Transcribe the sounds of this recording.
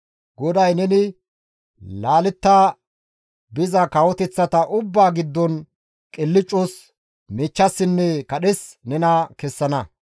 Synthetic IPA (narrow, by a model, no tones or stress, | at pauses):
ɡɔd̪ɐjnɛnɪ | laːlɪt̪ːaː | bɪzɐkɐwɔt̪ɛt͡sːɐt̪ɐʔʊbːaːɡɪd̪ːɔn | kʼɪlːɪt͡ʃʼːʊs | mɛːt͡ʃːɐsːɪnːɛkɐɗɛsnɛnɐkɛsːɐnɐ